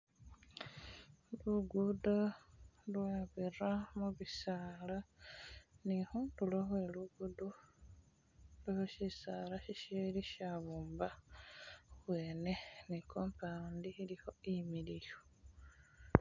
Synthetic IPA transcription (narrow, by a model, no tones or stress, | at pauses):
luɡudo | lwaβiramuβisaːla | nihuːndulohweluɡudu | lehoʃisaːlaʃiʃeliʃaβuːmba | βweːne̞nikʰoːmpʰandiiliho̞imilijo